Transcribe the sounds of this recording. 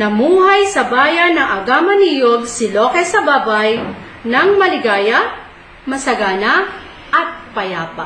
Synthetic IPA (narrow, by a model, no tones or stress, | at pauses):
nɐmuːhajsɐbaːjɐnːɐŋʔɐɡamɐniːjoɡ̚sɪloːkɛsɐbaːbaj | nɐŋmɐlɪɡaːja | mɐsɐɡaːna | ʔɐt̪̚pɐjaːpa